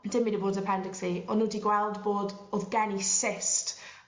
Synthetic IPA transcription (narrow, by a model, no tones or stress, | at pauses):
d̥ɪmidəboːdzəpʰɛndɪksiɔnudiɡwɛlˠdboːdɔðɡɛnisɪst